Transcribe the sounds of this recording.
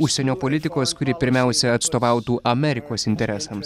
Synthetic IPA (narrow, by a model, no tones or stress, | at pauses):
ʊʃʲsʲɛnʲoːpolʲɪt̪ʲɪkoːskʊɾʲɪpʲɪɾʲmʲɛˑʊsʲɛɐt̪st̪oːʋɑˑʊt̪uːʔɐmʲɛɾʲɪkoːsɪnʲt̪ʲɛɾʲɛsɐms